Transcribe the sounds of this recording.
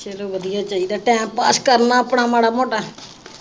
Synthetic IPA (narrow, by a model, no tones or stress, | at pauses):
t͡ʃeːloːʋəd̪ɪjaːt͡ʃaːɦiːd̪aːʈɛ̃ːmpːaːskəɾnaːəpɳaːmaːɽaːmoːʈaː